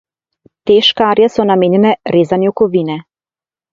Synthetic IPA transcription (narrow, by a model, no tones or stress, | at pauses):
t̪ɛʃkaaɾjasɔnameɲɛnɛɾezaniɔkɔvinɛ